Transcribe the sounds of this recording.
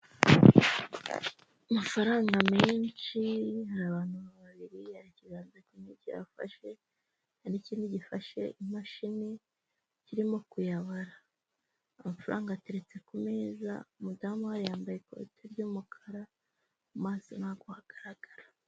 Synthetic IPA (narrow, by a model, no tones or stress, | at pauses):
amafaɾaːŋɡameːnt͡ʃihaɾaβaːn̥huβaβaβiɾihaɾiciɡaːnzaciːniɟiɾa̰fa̰ʃe̞ | aniciːndiɟifaʃe̞̰imaʃine | ciɾimo̞kujaβaɾaː | mafaɾa̰ːŋɡaːteɾet͡se̞kumeːza̰mudamuhaɾijaːmbajeko̰tʰeɾɟuːmukʰḁɾa | maːzinaɡohaɡ̥aɾaɡ̥aɾḁ